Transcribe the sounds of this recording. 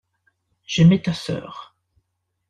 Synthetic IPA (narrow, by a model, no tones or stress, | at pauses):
ʒ̥əmɛt̪asœ̰ːʁ